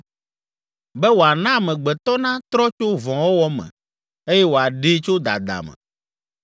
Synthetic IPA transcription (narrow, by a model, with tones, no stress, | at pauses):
bɛ˦wo˨a˨nã˦˨mɛ̃˨ɡ͡bɛ˨t̪ɔ˦nã˦t̪ɾɔ˦t͡ʃo˦vɔ̃˨wo˦wɔ˦mɛ̰̃˨ | e˦jɛ˦wo˨a˨ɖe˦t͡ʃo˦d̪a̰˨d̪a̰˨mɛ̰̃˨